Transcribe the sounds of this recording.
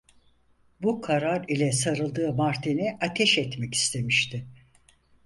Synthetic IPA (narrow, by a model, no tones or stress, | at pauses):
bukʰaɾaɾilʲɛsaɾɯlˠd̪ɯːmaɾt̪ʰenɪat̪ʰɛʃɛt̪mɛci̥st̪ʰe̞miʃt̪ʰɪ